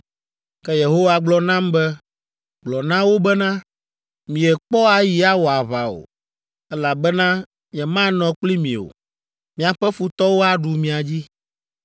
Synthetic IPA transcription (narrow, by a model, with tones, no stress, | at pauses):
kɛ˦je˨ɦo˦wa˨ɡ͡blɔ˦nã˦mbɛ˦ | ɡ͡blɔ˨nã˦wo˦bɛ˦nã˦ | mĩ˨ɛ˨k͡pɔ˦a˨ji˨a˦wo˨a˨βa˨o̰˨ | ɛ˦la˨bɛ˦nã˦ | ɲɛ̃˨mã˦nɔ̃˨k͡pli˦mĩ˨o̰˨ | mĩ˨a˨ɸɛ˦fu˨t̪ɔ˦wo˦a˦ɖu˨mĩ˨a˨d͡ʑi˦